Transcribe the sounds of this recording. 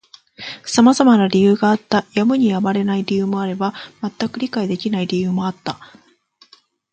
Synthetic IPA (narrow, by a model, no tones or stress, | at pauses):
samazamanaɾʲijɯ̟ːɡaːt̪ːajamɯ̟ɲ̟ijamaɾe̞naiɾʲijɯ̟ːmo̞aɾe̞bamat̪ːakɯ̟ɾʲikaid̪e̞kʲinaiɾʲijɯ̟ːmo̞at̪ːa